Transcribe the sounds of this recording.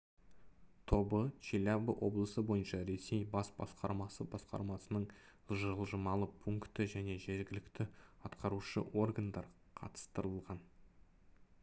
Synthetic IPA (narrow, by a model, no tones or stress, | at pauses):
t̪ʰo̞bət͡ʃilʲabəʔwʔo̞̰blˠəsəbo̞jənʃɑɾe̞sejbɑsbɑsqɑ̰ɾmɑsəbɑsqɑ̰ɾmɑsənəɴ | ʒəəlˠʒəmɑlˠəpʰuŋkt̪əʒæne̞ʒe̞ɾɡʲɪlɪkt̪ɪɑt̪qʰɑɾuʃə̰ʔo̞rɡand̪ɑɾ | qʰɑ̰t̪ə̥st̪əɾəllˠʁɑn